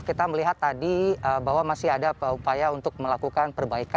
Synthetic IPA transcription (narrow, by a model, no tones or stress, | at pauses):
kit̪aməliɦat̪ːadiəbaɦwamasɪɦadaupajaunt̪ʊk̚məlakukanpərbaika